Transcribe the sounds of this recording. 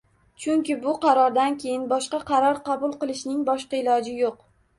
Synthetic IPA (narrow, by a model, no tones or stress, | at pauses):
t͡ʃʰʊŋkʲɪbʊqʰɑɾɒɾd̪ankʲʰe̞jɪnbɒʃqɑqʰɑɾɒɾqɑbʊlˠqɨlˠɪʃnɪŋbɒʃqɑɪlˠɒd͡ʒɪjoq